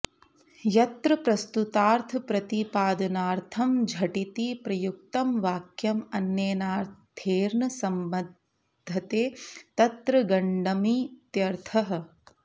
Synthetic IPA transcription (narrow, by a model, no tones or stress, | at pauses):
jɐt̪ɾɐpɾɐst̪ut̪aːɾt̪ʰɐpɾɐt̪ipaːd̪ɐnaːɾt̪ʰɐmd͡ʒʱɐʈit̪ipɾɐjuk̚t̪ɐmʋaːkjɐmɐnjeːnaːɾt̪ʰeːɾnɐsɐmbɐd̪ | d̪ʱɐt̪eːt̪ɐt̪ɾɐɡɐɳɖɐmit̪jɐɾt̪ʰɐɦɐ̆